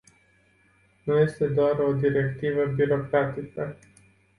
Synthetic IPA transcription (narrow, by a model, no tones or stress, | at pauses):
nuje̞st̪e̞d̪oaro̞d̪iɾe̞kt̪ivəbiɾo̞kɾat̪ikə